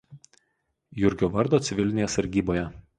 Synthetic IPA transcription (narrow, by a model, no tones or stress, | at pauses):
jʊɾʲɡʲoːʋɐɾd̪oːt̪sʲɪʋʲɪlʲnʲeːsɐɾʲɡʲiːboːjɛ